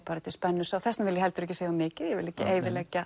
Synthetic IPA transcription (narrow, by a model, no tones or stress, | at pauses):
paːɾɪt̪ɪspɛnːʏsaːwθɛsnavɪljɛhɛlt̪ʏɾɛçcːɪsejamːɪːcɪðjɛvɪlɛçcːɪʔeːjvɪlɛcːa